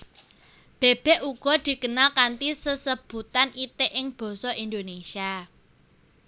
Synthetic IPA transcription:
b̥e̤b̥ɛ̤ʔuɡ̥ɔ̤d̪̥i̤kənalkant̪isəsəb̥ṳt̪anit̪eʔɪŋb̥ɔ̤sɔʔind̪onesia

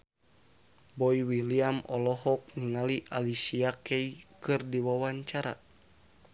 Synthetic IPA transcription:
bɔiwiliamɔlɔɦɔk̚niŋaliʔalisiakɛikɨrdiwawaɲt͡ʃaɾa̰

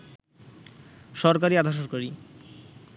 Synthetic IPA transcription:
ʃɔɾkaɾiad̪ʱaʃ̬ɔɾkaɾi

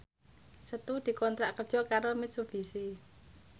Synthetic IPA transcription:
sət̪ud̪̥i̤kɔnt̪ɾaʔkərd̥ʒ̥ɔ̤kaɾomɪt̪̚sub̥i̤si

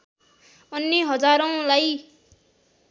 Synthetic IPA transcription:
ʌnːiɦʌd͡zaɾʌ̃laj

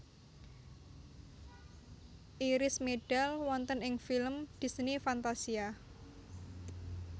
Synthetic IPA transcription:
ʔiɾɪsmeɖ̥alwɔnt̪ənɪŋfilmd̪̥i̤snifant̪asia

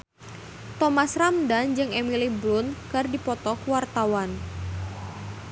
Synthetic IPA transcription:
t̪ɔmasramdand͡ʒɨŋemilibɾʊnkərdipɔt̪ɔkwart̪awan

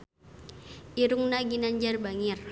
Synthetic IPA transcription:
ʔiɾuŋnaɡinaɲd͡ʒarbaŋir

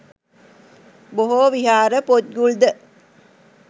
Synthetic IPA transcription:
boɦoːʋiɦaːɾəpot̪̚ɡuɭd̪ə

